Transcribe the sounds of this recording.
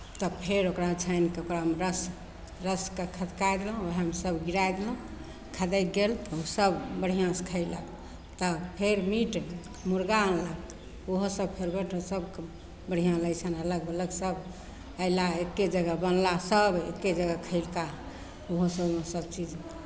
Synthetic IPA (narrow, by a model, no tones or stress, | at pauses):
t̪ɔpʰeɾokɾat͡ʃʰəjnkeokɾamɾəs | ɾəskekʰət̪kajd̪elə̃oɦəmsəbɡiɾajd̪elə̃ | kʰəd̪əjt̪̚ɡelt̪ɔusəbbəɽ̤ijãskʰəjlək | t̪ɔpʰeɾmiʈ | muɾɡanlək | oɦosəbpʰeɾbeʈosəbk | bəɽ̤ijãlət͡ʃʰənələɡələɡsəb | əjlaekːed͡ʒəɡəbənlasəbḛkːed͡ʒəɡəkʰəɪlka | oɦosəbmesəbt͡ʃid͡ʒ